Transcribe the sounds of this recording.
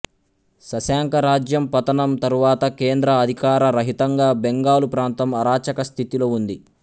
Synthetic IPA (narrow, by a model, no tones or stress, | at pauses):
sɐsaːŋkɐɾaːd͡ʒjɐmpɐt̪ɐnɐmt̪ɐɾuʋaːt̪ɐkeːnd̪ɾɐːd̪ʱikaːɾɐɾɐɦit̪ɐŋɡaːbeŋɡaːlupɾaːnt̪ɐmɐɾaːt͡ʃɐkɐst̪ʰit̪iloːund̪i